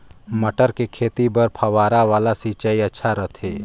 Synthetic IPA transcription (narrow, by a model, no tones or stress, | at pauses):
mɐʈəɾkekʰeːt̪ibɐɾpʰɐʋaːɾaʋaːlasiːt͡ʃaːiɐtːʃʰaɾɐt̪ʰeː